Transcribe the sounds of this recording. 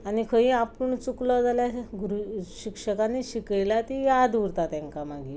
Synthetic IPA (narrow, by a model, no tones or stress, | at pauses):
anikʰəĩapuɳt͡suklɔd͡zaljaɡɾuɕikʂəkanːiɕikəjlat̪ijad̪uɾt̪at̪jãŋkamaɡi